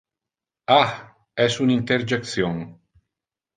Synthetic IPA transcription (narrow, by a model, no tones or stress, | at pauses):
a | ɛsunint̪eɾd͡ʒek̚t̪sjoŋ